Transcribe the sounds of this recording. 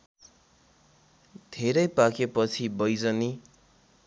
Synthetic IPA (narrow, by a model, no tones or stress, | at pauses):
d̪ʱeɾʌjpakepʌt͡sʰibʌjd͡zʌni